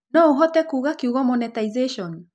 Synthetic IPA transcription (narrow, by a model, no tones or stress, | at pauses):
nɔoɦɔtɛkuːɣakeuɣɔmɔnɛtaizeʃɔn